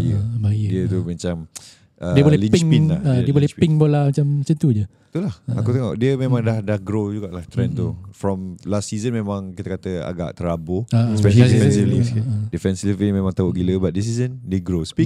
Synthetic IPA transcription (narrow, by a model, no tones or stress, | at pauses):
ajəbajdiət̪umãt͡ʃam | ʔədiəbolɛlĩnpiŋinlaədiəbolɛhiŋbolamat͡ʃamt͡ʃənt̪ud͡ʒə | t̪ulaha̰ut̪eŋoʔdiəmemãŋdahdahɡɾod͡ʒuɡaʔlaht̪ɾɛ̃nt̪ufɾɔmlastːizənmemãŋkit̪əkat̪əa̰ɡa̰ʔt̪əɾaboasɛifɛsivlidifɛnslivimẽmãŋt̪aoʔɡiləbat̪̚dis̬izəndeɡɾospi